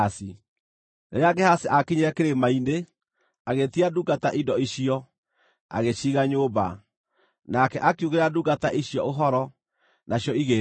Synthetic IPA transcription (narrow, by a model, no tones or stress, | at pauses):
asi | neɾeaɡɛhaseʔakiɲeɾɛkeɾemainde | aɣetiaduɡataʔidɔiɕiɔ | a̰ɣeɕiɣaɲoːba̰ | nakɛʔakjuɣeɾaduɡataʔiɕjɔoɦɔɾɔ | naɕjɔiɣe